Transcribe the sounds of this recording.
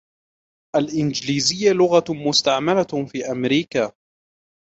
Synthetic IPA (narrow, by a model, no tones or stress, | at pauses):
ʔalʔɪnd͡ʒliːzɪjːalʊɣamʊst̪aʕmalafiːʔamɾiːkaː